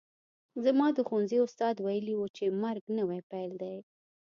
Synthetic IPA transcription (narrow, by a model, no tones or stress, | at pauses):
zamɑd̪əxonziʊst̪ɑd̪wajəliwut͡ʃemaɾɡnəwapajld̪aj